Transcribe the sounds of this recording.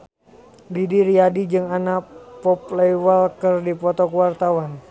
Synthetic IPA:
didiɾiadid͡ʒɨŋanapɔplɛwalkərdipɔt̪ɔkuwart̪awan

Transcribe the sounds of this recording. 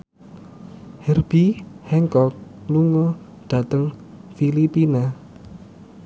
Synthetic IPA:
hɛrb̥ihɛŋkɔk̚luŋɔ | ɖ̪̥ä̤t̪əŋfilipina

